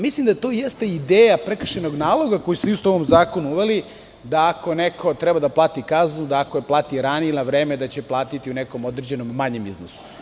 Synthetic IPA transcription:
mislˠimd̪at̪o̞ːjest̪eid̪eːjapɾekr̩ʃeno̞ɡnaːlˠo̞ɡako̞jusist̪ooʋomzaːkonuuʋeli | d̪aako̞nekʰo̞t̪ɾɛbad̪aplˠaːt̪ikaznud̪aːkojeplˠaːt̪iɾanielnaʋɾeːmed̪at͡ɕeplˠaːt̪it̪iuneko̞mo̞d̪ɾed͡ʑe̞no̞mːaɲemiznosu̥

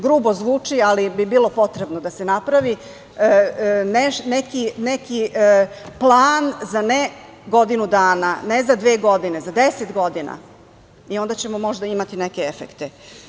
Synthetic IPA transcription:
ɡɾuːbo̞zʋuːt͡ʂialibibiːlˠo̞po̞t̪ɾe̞bno̞d̪ase̞napɾaʋi | neʃnekineki | plˠaːnzane | ɡo̞d̪inud̪aːnanezad̪ʋeːɡo̞d̪ine̞zad̪eset̪ɡo̞d̪ina̰ | io̞nd̪at͡ɕe̞mo̞mo̞ʒd̪aimat̪ineke̞efekt̪e

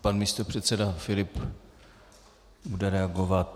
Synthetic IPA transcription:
panmiːst̪opr̝̥ɛt̪sɛdafɪlɪp | budɛɾɛaɡovat̪

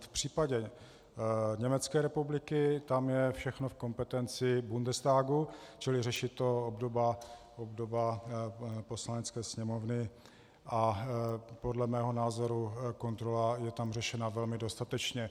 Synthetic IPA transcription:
fpr̝̥iːpaɟɛ | ɲɛmɛt͡skɛːɾɛpublɪkɪt̪amjɛfʃɛxnofko̞mpɛt̪ɛnt͡sɪbundɛst̪aːɡut͡ʃɪlɪrɛʃɪt̪oobdo̞ba | ʔobdoba | po̞slanɛt͡skɛːsɲɛmo̞vnɪ | ʔa | podlɛmɛːɦo̞naːzo̞ɾuko̞nt̪ɾolajɛt̪amrɛʃɛnavɛlmɪdo̞st̪at̪ɛt͡ʃɲɛ

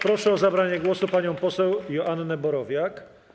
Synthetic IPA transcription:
pɾɔʂɛɔzabɾaɲɛɡwɔsupaɲɔ̃w̃pɔsɛwjɔʔanːɛbɔɾɔvʲjak

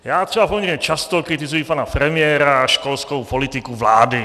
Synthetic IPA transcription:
jaːt̪r̥ɛbapɔmɲɛɾɲɛt͡ʃast̪ɔkɾit̪izujipanapɾɛmɪɛːɾaʃkɔlskɔwpɔlit̪ikuvlaːd̪i

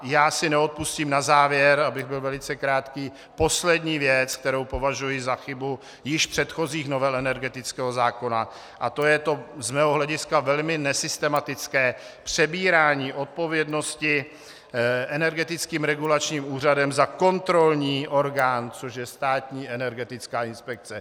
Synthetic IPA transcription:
jaːsɪnɛot̪̚pusciːmnazaːvjɛɾabɪɣbɪlvɛlɪt͡sɛkɾaːt̪kiː | po̞slɛdɲiːvjɛt͡sk̚t̪ɛɾo̞wpo̞vaʒujɪzaxɪbu | jɪʃpr̝̥ɛt̪xo̞ziːxno̞vɛlɛnɛɾɡɛt̪ɪt͡skɛːɦo̞zaːko̞na | ʔat̪o̞jɛt̪o̞zmɛːɦoɦlɛɟɪskavɛlmɪnɛsɪst̪ɛmat̪ɪt͡skɛːpr̝̥ɛbiːɾaːɲiːʔo̞t̪̚po̞vjɛdno̞scɪ | ʔɛnɛɾɡɛt̪ɪt͡skiːmɾɛɡulat͡ʃɲiːmuːr̝adɛmzako̞nt̪ɾo̞lɲiːʔo̞ɾɡaːnt͡soʃjɛst̪aːt̪ɲiːʔɛnɛɾɡɛt̪ɪt͡skaːɪnspɛk̚t͡sɛ

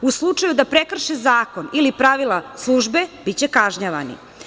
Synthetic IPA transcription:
uslˠut͡ʂajud̪apɾekr̩ʃezaːkonilipɾaʋilˠaslˠuʒbeb̥it͡ɕekaʒɲaʋa̰nḭ

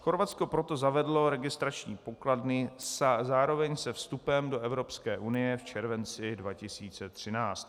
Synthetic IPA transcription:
xo̞ɾvatt͡sko̞pɾot̪o̞zavɛdlo̞ɾɛɡɪst̪ɾat͡ʃɲiːpo̞kladnɪszaːɾo̞vɛɲsɛfst̪upɛmdo̞ʔɛvɾo̞pskɛːʔunɪjɛft͡ʃɛɾvɛnt͡sɪdvacɪsiːt͡sɛt̪r̝̥ɪnaːt͡st̪

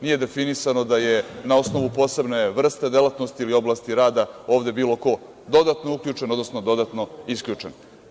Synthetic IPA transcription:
nije̞d̪e̞finisano̞d̪ajenao̞sno̞ʋupo̞ːse̞bne̞ʋr̩st̪e̞d̪e̞lat̪no̞st̪iilio̞blˠast̪iɾaːd̪ao̞ːvd̪e̞biːlˠo̞ko̞ | d̪o̞d̪at̪nouklʎuːt͡ʂe̞nod̪no̞snod̪o̞d̪at̪no̞iskʎʲuːt͡ʂen

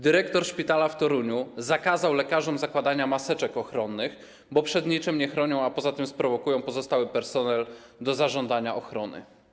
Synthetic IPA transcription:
d̪ɘɾɛkt̪ɔɾʂpʲit̪alaft̪ɔɾuɲuzakazawlɛkaʐɔmzakwad̪aɲamasɛt͡ʂɛkɔxɾɔnːɘx | bɔpʂɛd̪ɲit͡ʂɘmɲɛxɾɔɲɔ̃w̃apɔzat̪ɘmspɾɔvɔkujɔ̃w̃pɔzɔst̪awɘpɛɾsɔnɛl | d̪ɔzaʐɔnd̪aɲaʔɔxɾɔnɘ̰

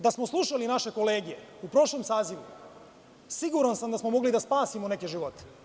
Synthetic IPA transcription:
d̪asmoslˠuʃalinaʃe̞ko̞leːɡije̞̰upɾo̞ʃlomsaːziʋṵ | siɡuɾansamd̪asmo̞mo̞ɡlid̪aspaːsimone̞keʒiʋo̞t̪e̥

